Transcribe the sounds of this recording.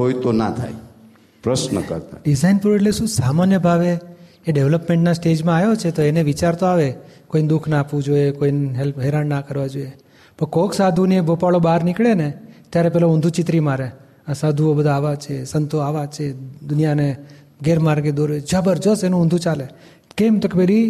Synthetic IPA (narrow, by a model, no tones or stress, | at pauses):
ɦojt̪ona̰t̪ʰa̰j | pɾəʃnə̰kə̰ɾt̪a̰ɖizainpɾeʈleʃũsamanjəbʱaʋeː | ɖeʋləpmẽɳʈnasʈed͡ʒmãajot͡ʃʰet̪oeneʋit͡ʃaɾt̪oaʋekoind̪ukʰnaapʋũd͡ʒoekoinɦɛlpɦɛɾanːakəɾʋad͡ʒoe | pəkoksad̪ʱuniebʱopaɭobaɾnɪkɭenet̪jaɾepɛlaʊ̃nd̪ʱut͡ʃɪt̪ɾimaɾe | asad̪ʱuobəd̪ʱaːʋat͡ʃʰesənt̪oaʋat͡ʃʰed̪ʊnijane | ɡeɾmaɾɡed̪oɾed͡ʒəbəɾd͡ʒosenũːnd̪ʱũt͡ʃale | kemt̪okepeɾi